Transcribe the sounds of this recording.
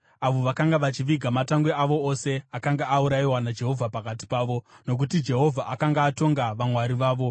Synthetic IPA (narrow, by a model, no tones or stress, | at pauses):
aʋo̞ʋakaŋɡaʋat͡ʃiʋiɡʱamataŋɡweaʋo̞ose̞akaŋɡaʔːuɾaiwanad͡ʒe̞ɦo̞vʱapakat̬i̥paːʋo̞no̞k̬ut̬id͡ʒe̞ɦo̞vʱaʔakaŋɡaːto̞ŋɡaʋamwaɾiʋaːʋo̞